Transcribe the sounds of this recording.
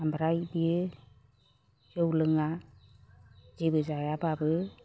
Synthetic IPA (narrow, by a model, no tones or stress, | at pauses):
ambʱɾajbiɯ | jɔwlɯŋa | d͡ʒebɯzajababɯ